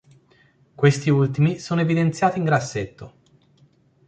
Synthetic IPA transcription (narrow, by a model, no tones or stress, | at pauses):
kwest̪iult̪imisoːnoevid̪ent̪sjaːt̪iŋɡɾasːet̪ːo